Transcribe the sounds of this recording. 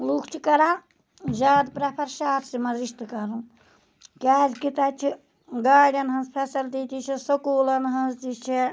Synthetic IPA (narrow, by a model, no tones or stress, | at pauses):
lukʰt͡ʃʰikɐɾa | zaːd̪pɾɐpʰɐɾʃaːt̪ʰsimɐɾiʃt̪kɐɾũ | kʲaːzkit̪at͡ʃʰi | ɡaːɖʲɐnɦɐnzpʰesɐlt̪iːt̪it͡ʃʰisɐkuːlɐnɦɐnzt̪it͡ʃʰi